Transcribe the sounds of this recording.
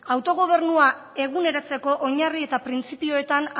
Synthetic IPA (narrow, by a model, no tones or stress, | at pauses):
awt̪o̞ɣ̞o̞β̞e̞ɾnua | e̞ɣ̞une̞ɾat͡se̞ko̞ʔoɲarie̞t̪apɾint͡sipio̞e̞t̪an